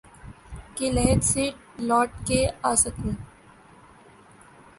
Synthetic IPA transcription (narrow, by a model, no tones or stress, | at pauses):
kelɛɦd̪siːʈ̚ | lɔːʈkeaːsəkĩː